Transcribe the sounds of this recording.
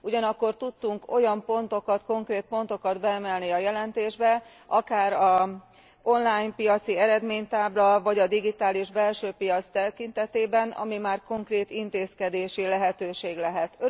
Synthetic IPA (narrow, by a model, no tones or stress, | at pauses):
uɟɒnɒkːo̞rt̪ut̪ːuŋko̞jɒmpo̞nt̪o̞kɒt̪ko̞ŋkreːt̪̚po̞nt̪o̞kɒd̪bɛːmɛlniɒjɛlɛnt̪eːʒbɛ | ɒkaːɾɒ | o̞nlaːjmpijɒt̪siɛɾɛd̪meːɲt̪aːblɒvɒɟɒd̪iɡit̪aːliʒbɛlʃøːpijɒt̪st̪ɛkint̪ɛt̪eːbɛnɒ̰mimaːrko̞ŋkreːt̪int̪eːskɛd̪eːʃilɛɦɛt̪øːʃeːɡlɛɦɛt̪ø